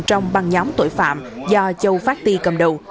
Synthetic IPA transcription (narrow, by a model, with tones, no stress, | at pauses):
t͡ɕɔ˧wŋ͡mɓa˨˩ŋɲɔ˨˦wŋ͡mt̪o̰˧˩˨jfa̰ː˧˨mzɔ˧t͡ɕə˧wfaː˦˥k̚t̪i˧kə˨˧˩mɗə̰˧˨